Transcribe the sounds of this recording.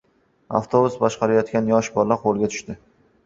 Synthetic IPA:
a̰ft̪ʰobʊsbɒʃqɑɾajɒt̪kʲanjɒʃbɒɾlaqʰolˠɡʲat̪ʰʊ̥ʃt̪ɪ

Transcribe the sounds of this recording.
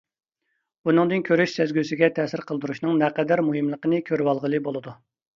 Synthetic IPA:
bunɨŋd̪ɨnkʲʰøɾyʃsɛzɡʲysɪɡʲɛt̪ʰɛsɪɾqʰəlˠd̪uɾuʃnɨŋnɛqɛd̪æɾmuɦɨmlˠəqənɨkʲʰøɾwɑlˠʁəlˠɨbolˠɨd̪u

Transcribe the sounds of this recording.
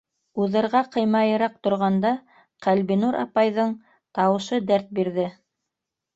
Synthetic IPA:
uðɤ̆ɾʁɑqɤ̆jmɑjɤ̆ɾɑq̚t̪ŏɾʁɑnd̪ɑ | qælβinuɾʔɑ̰pɑjðɤɴ | t̪ɑwɤ̆ʃɤd̪æɾt̪̚biɾðɘ

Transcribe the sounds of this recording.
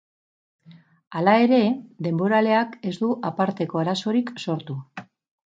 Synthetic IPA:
alae̞ɾe̞d̪e̞mbo̞ɾale̞ake̞zd̪uʔapaɾt̪e̞ko̞aɾaso̞ɾikso̞ɾt̪u

